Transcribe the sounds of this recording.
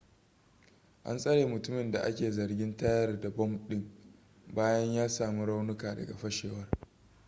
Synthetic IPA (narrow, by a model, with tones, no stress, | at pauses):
ʔa̰˦nsʼɐ˦ɽeː˨mʊ˨tʊ˦mɪ˨nda˨ʔa̰˦kʲeː˨zɐ˨rɡʲɪ˦ntɐ˦jɐ˦rda˨bɔ˦mɗɪ˦ŋ | baː˦jɐ˦ɲjaː˦saː˨mu˦ɽa˦wnʊ˦kaː˨dɐ̰˨ɡa̰˨ɸɐ˦ʃeː˨wɐ˦r